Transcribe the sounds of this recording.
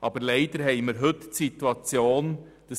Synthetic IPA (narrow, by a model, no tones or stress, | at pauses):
ʔɑːbəɾlɛɪdəɾɦɛɪməɾɦɵtːsituɑt͡sjoːn | d̥ə